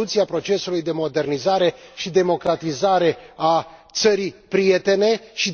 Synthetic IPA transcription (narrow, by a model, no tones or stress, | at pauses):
ut̪sieapɾo̞t͡ʃe̞sulujd̪e̞mo̞d̪e̞rnizaɾe̞ʃid̪e̞mo̞kɾat̪izaɾe̞at̪səɾijpɾije̞t̪e̞ne̞ʃi